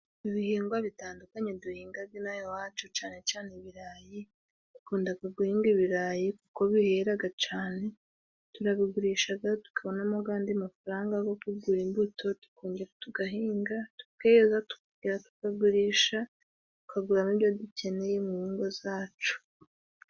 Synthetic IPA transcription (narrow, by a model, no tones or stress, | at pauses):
iβihiːŋɡwaβitaːndukaɲeduhiːŋɡab̚ɡinajowaːt͡ʃot͡ʃaːne̞t͡ʃaːneβiɾaji | tu̥kuːndaɡaɡuhiːŋɡiβiɾaːjikuko̞βiheɾaɡat͡ʃaːne̞ | tuɾaβiɡuɾiːʃaɡatu̥kaβo̞namoɡaːndiamafaɾaːŋɡaɡo̞kuɡuɾimbuto̞tu̥ko̞ːɲɟe̞ɾatuɡaɦiːŋɡatu̥keezatu̥kuɡiɾatu̥kaɡuɾiːʃa | tu̥kaɡuɾamiβjoduce̞ne̞jemuhiːŋɡwozaːt͡ʃu̥